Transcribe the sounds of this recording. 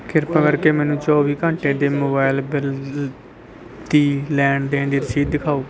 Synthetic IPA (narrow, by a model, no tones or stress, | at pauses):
kɪɾpãːkəɾkeːmɛːnũːt͡ʃɔːʋiːkə̃ɳʈẽːd̪eːmoːbaːɪlbɪl | d̪iːlɛːɳɖd̪ẽːnd̪iːɾəʃiːd̪ːɪkʰaːoː